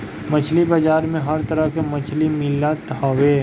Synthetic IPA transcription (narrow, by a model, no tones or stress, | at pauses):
mɐt͡ʃʰlibad͡ʒaːɾmẽɦɐɾt̪ɐɾəɦkemɐt͡ʃʰlimɪlat̪ɦaːwe